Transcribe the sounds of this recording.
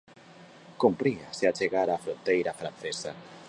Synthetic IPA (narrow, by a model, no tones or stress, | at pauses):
kompɾiaseat͡ʃeɣaɾaːfɾont̪ejɾafɾan̟θesa̰